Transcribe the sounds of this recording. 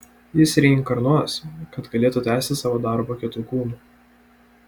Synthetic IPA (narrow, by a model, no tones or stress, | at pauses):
jɪsɾʲɛɪŋkɐɾnuɔskɐt̪ɡɐlʲeːt̪uːt̪ʲæːsʲt̪ʲɪsɑːʋoːd̪ɑˑɾbokʲɪt̪uːkuːnuː